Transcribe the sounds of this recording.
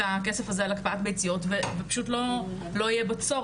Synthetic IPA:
ake̞sefazealakpaatbejt͡sijo̞tvevepḁʃutlo̞ | lo̞ijebat͡so̞

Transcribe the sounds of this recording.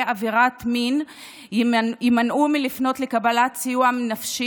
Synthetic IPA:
aviʁatmin | imanʔumilifno̞tlekabalat͡sijuamnafʃi

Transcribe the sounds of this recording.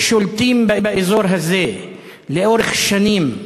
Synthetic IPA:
ʃʊlt̪iːmbɪʔbɪʔɪzoːɾˤɦazːeː | lɪʔoːɾɪxʃaniːm

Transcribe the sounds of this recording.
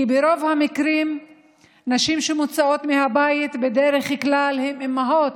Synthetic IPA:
kibeɾo̞vhamikɾim | naʃimʃemut͡sao̞t̪mehabajit̪bed̪eɾeχklalhememːaɦot̪

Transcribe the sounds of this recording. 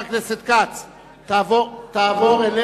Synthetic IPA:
kleset̪̚kat͡s | t̪avot̪aːvoʁele

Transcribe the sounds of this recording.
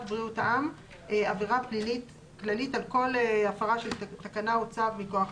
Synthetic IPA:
tbʁiutaʔam | eaviʁaplinit | klalitalko̞leafaʁaʃeltakanaot͡savmikoaχ

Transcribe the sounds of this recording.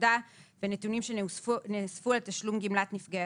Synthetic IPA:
davenet̪unimʃenesfualt̪aʃlumɡimlat̪nifɡe

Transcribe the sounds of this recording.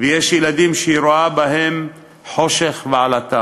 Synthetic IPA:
vejeʃjelad̪imʃeiɾoabaɦem | ħo̞ʃeχveʕalat̪a

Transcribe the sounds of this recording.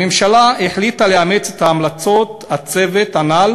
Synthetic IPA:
emʃalaeħlit̪aleamet͡set̪haːmlat͡so̞t̪hat͡se̞vet̪anal

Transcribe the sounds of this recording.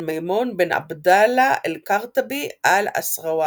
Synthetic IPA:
majmonbenʔa̰bd̪alaʔelkaʁt̪abiʔala̰sʁawa

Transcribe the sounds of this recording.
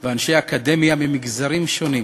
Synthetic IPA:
veanʃejaːkad̪e̞mjamimiɡzaʁimʃo̞nim

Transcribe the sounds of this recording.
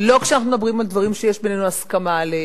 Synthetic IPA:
lo̞kʃeanaχnumed̪abʁimald̪vaʁimʃejeʃbenenuaskamale

